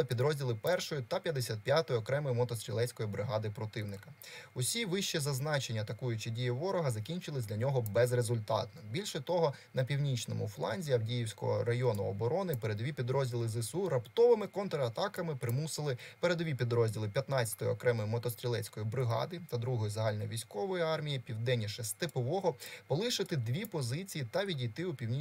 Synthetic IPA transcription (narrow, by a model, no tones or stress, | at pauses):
ɪpʲid̪ɾɔzʲdʲilˠɪpɛrʃɔjʊt̪ɐpʲjɐd̪esʲat̪̚pʲjat̪ɔjɔkɾɛmɔjʊmɔt̪ɔst̪ɾʲilˠɛt͡sʲkɔjibɾɪɦɑd̪ɪpɾɔt̪ɪwnɪkɐʊsʲiʋɪʃt͡ʃizɐznɑt͡ʃenʲːɐːt̪ɐkujʊt͡ʃɪdʲijʊʋɔɾɔɦɐzɐkʲinʲt͡ʃɪlˠɪsʲdlʲɐnʲɔɦɔbɛzrezʊlʲt̪ɑ̰t̪nɔbʲilʲʃɛt̪ɔɦɔnɐpʲiwnʲit͡ʃnɔmʊ̰flˠɑ̰nʲzʲijɐwdʲijiwsʲkɔ̰ɦɔ̰ɾɐjɔnʊɔbɔɾɔnɪpeɾed̪ʋʲipʲid̪ɾɔzʲdʲilˠɪzɪsuɾɐpt̪ɔʋɪmɪkɔnt̪ɾɐɐt̪ɑkɐmɪpɾɪmusɪlˠɪpeɾed̪ʋʲipʲid̪ɾɔzʲdʲilˠɪpʲjɐt̪nɑt͡sʲɐ̥t̪ɔjiɔkɾɛmɔjimɔt̪ɔst̪ɾʲɪlˠɛt͡sʲkɔjibɾɪɦɑ̰d̪ɪt̪ɐd̪ɾuɦɔjizɐɦɑlʲnɔjʋʲisʲkɔʋɔjiɑrmʲijipʲiwd̪ɛnʲːiʃɛst̪ɪpɔʋɔɦɔpɔlˠɪʃɪt̪ɪd̪ʲʋʲipɔzɪt͡sʲijit̪ɐʋʲidʲijt̪ɪupʲiwnʲi